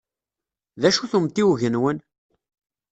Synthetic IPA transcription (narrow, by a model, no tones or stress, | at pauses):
ðæʃuθumt̪ːiwʝənwən